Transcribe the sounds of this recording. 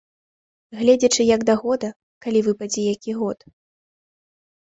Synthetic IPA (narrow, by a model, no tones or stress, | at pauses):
ɣlʲɛd͡zʲɛt͡ʂɨjɐɡd̪ɐɣɔd̪ɐ | kalʲivɨpad͡zʲɛjakʲiɣɔt̪